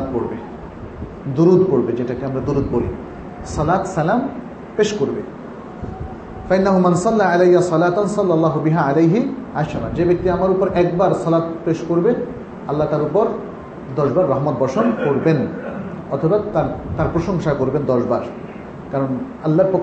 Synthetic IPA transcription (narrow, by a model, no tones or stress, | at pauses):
t̪̚poɾbe | d̪uɾud̪poɾbed͡ʑeʈakiamɾad̪uɾud̪̚bolḭ | sɔlat̪salam | peʃkoɾbe | fainːaɦumansɑlːaalejːasɑlaːt̪ansɑlːalːaːɦubiɦaalejɦiaʃaɾand͡ʑebek̚t̪iamaɾupoɾɛkbaɾsɔlat̪peʃkoɾbe | alːat̪aɾupoɾ | d̪ɔʃbaɾːaɦmɔt̪̚bɔʃonkoɾben | ɔt̪ʰobat̪aɾt̪aɾpɾoʃoŋʃakoɾbend̪ɔʃbaɾ | kaɾon | alːaɾpokː